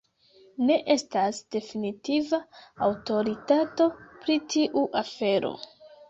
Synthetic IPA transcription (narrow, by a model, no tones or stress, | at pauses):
ne̞ʔe̞stasd̥e̞finitivaawto̞ɾitato̞pɾitʰiʔuʔafe̞ɾo̞̰